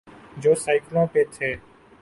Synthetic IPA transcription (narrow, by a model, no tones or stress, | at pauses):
d͡ʒoːsaːɪklõːpeːt̪ʰeː